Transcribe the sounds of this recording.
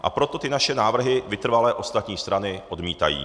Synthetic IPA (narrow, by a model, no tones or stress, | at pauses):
ʔa̰pɾo̞t̪o̞t̪ɪnaʃɛnaːvr̩ɦɪvɪt̪r̩valɛːʔo̞st̪at̪ɲiːst̪ɾanɪʔo̞dmiːt̪a̰jḭː